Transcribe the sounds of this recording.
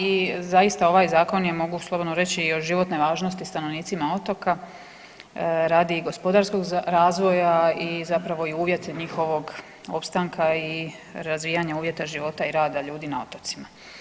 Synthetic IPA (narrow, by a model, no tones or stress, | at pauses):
izaist̪ao̞ʋaːjzaːko̞njemo̞ɡuslˠo̞bo̞d̪noɾe̞t͡ɕiːoʒiʋo̞t̪neʋaːʒno̞st̪ist̪ano̞ʋniːt̪simao̞t̪o̞ka | ɾaːd̪iɡo̞spo̞d̪aɾsko̞ɡɾaːzʋo̞jaizapɾaʋo̞iuːʋje̞t̪ʰeɲixo̞ʋo̞ɡ | o̞pst̪aŋkʰai | ɾazʋijaɲauːʋje̞t̪aʒiʋo̞t̪aiɾaːd̪aʎuːd̪inao̞̰t̪ot̪sima